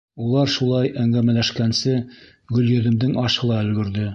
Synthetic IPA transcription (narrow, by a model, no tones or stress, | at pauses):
ulˠɑɾʃulˠɑjæŋɡæmælæʃkænsɘ | ɡɵ̆ljɵ̆ðɘ̆md̪ɘŋɑʃɤ̆lˠɑɵ̆lɡɵ̆ɾd̪ɘ